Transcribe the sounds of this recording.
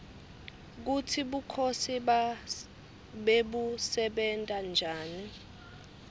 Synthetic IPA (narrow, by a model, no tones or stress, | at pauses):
k̬utʰiɓukʰosiɓa | ɓeɓusɛɓɛntʼand͡ʒʱaːni